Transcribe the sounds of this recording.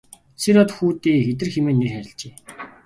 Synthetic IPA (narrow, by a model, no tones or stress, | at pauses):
seɾɔt̪xuːt̪iːxet̪̬ɘ̆rxemeːnːerxæɾʲɪ̆ɬt͡ɕeː